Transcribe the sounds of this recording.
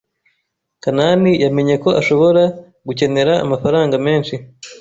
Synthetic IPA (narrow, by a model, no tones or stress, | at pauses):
kananijame̞ɲe̞ko̞ʔaʃo̞βo̞ɾa | ɡuce̞ne̞ɾa̰ːmafaɾaːŋɡame̞ːnʃi